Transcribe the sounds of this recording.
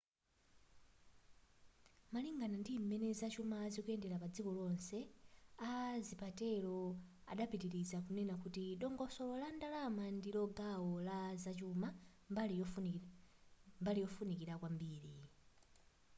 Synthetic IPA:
maliŋɡanandimɛnɛzat͡ʃumaːzikuɛndɛɾapad͡zikɔlɔnsɛazipatɛlɔa̰ɗapitiɾizakunɛnakutiɗɔŋɡɔsɔlɔlandalamandilɔɡawɔlazat͡ʃuma | mbalijɔfunikiɾakwambiːɾi

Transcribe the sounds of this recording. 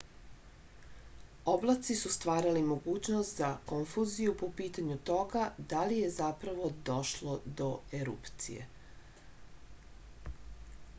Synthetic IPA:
oblˠat̪sisust̪ʋaːɾalimo̞ɡuːt͡ɕnost̪zakoɱfuzijupo̞piːt̪aɲut̪o̞ɡad̪alije̞zapɾaʋo̞d̪o̞ʃlod̪o̞eɾṵpt̪sḭje̞̰

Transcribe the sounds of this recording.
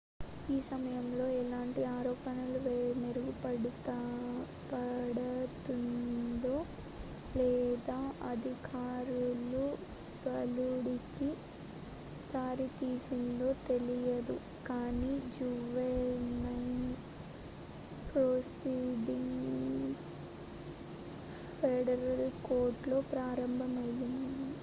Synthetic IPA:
iːsɐmɐjɐmlo̞ːɛlaːɳʈiaːɾɔːpɐnɐluʋmeɾuɡupɐɽut̪ | pɐɽɐt̪und̪oː | lɛːd̪aːʔɐd̪ʱikʰaːɾulu | bɐluɽiki | d̪aːɾit̪iːsind̪o̞ːt̪e̞lijɐd̪u | kaːniːd͡ʒuʋenɐ | pɾoːsiɖiŋs | peːɽɐɾɐlkoːɾʈlo̞ːpɾaːɾɐmbʱɐmɐjːɐnd̪i

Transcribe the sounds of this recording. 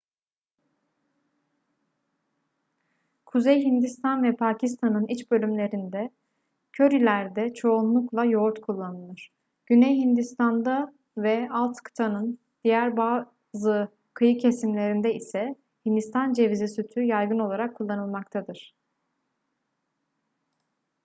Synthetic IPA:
kʰuzejɦind̪ist̪ʰanvɛpʰaːcʰist̪ʰanɯnit͡ʃbø̞lʲymlʲe̞ɾind̪ɛ | cʰø̞ɾilʲæɾd̪ɛt͡ʃʰo̞unlˠuklˠajo̞ɾt̪kʰulˠːanɯlˠɯɾ̥ | ɟ̥ynejɦind̪ist̪ʰand̪a | vɛalˠt̪kʰɯ̥t̪ʰanɯn | d̪̥ijæɾbaː | zɯ | kʰɯjɯcʰe̞simlʲe̞ɾind̪ɛisɛ | hind̪ist̪ʰand͡ʒe̞vizisyt̪ʰyjajɡɯno̞lˠaɾakʰːulˠːanɯlˠmakt̪ʰad̪ɯɾ̥

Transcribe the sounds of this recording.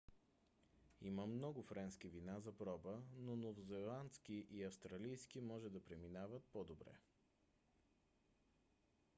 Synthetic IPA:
ḭməmnɔɡʊfɾɛnsk̟ivinazɐpɾɔbənonovzɛlˠant̪sk̟iʔiɐfst̪ɾɐlijskimɔʒɛd̪ɐpɾɛminavət̪̚pod̪obɾɛ̰

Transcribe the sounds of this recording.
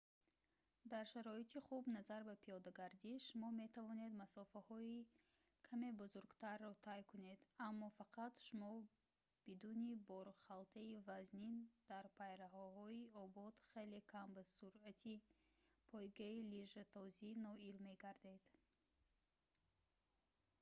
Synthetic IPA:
d̪aɾʃaɾɔit̪ʰiχubnazaɾbapʰijɔd̪aɡaɾd̪iʃumɔme̞t̪ʰavɔne̞d̪masɔfahɔi | kʰame̞buzuɾɡt̪ʰaɾːɔt̪ʰajkune̞d̪amːɔfaqʰat̪ʃumɔ | b̥id̪unibɔɾχalt̪ʰaivaznind̪̥aɾpʰajɾahɔhɔiɔbɔd̪χe̞lekʰambasuɾat̪ʰipʰɔjɡailiʒat̪ʰɔzinɔilme̞ɡaɾd̪e̞d̪̥

